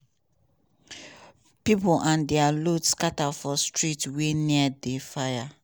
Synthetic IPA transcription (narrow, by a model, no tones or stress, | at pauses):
pipʊʔãndɛalodskatafɔstɹitweniadefaja